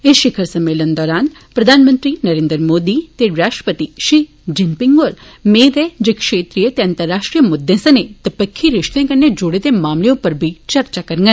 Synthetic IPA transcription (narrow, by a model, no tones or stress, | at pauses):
eʃɪkʰəɾsɐmːeːlənd̪ɔːɾaːn | pɾɐd̪ʱaːnmə̃nt̪ɾinɐɾeːnd̪ɾmoːd̪it̪eɾaːʃʈɾəpət̪iʃi | d͡ʒɪmpɪŋɡoːɾ | meːd̪ed͡ʒekʃeːt̪ɾijət̪eɐ̃nt̪əɾːaːʃʈɾijəmʊd̪ːẽsɐnet̪ɐpəkʰːiɾɪʃt̪ẽkɐɾned͡ʒoːɽet̪emaːmleõpɐɾbʱit͡ʃɐɾt͡ʃakɐɾŋɡən